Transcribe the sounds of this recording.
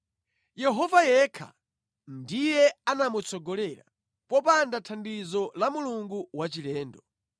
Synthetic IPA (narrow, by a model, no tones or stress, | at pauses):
jɛɦɔvajɛkʰa̰ | ndijɛanamut͡sɔɡɔlɛɾa̰ | pɔpandatʰandizɔlamuluŋɡuwat͡ʃilɛːndɔ